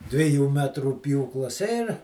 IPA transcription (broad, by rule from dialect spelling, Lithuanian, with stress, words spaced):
dʲʋʲɪˈjuː ˈmʲæːtruː ˈpʲjuːklˠɐs ɪr